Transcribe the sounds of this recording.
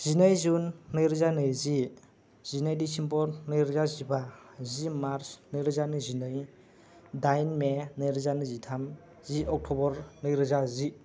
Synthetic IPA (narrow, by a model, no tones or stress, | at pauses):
z̥inɯjzunːɯjɾɯzanɯjzi | z̥inɯjdisimpʰɔɾnɯjɾɯzazibazimaɾsnɯjɾɯzanɯzinɯj | dajnmenɯjɾɯzanɯzitʰam | ziɔk̚tʰɔbɔɾnɯjɾɯzazi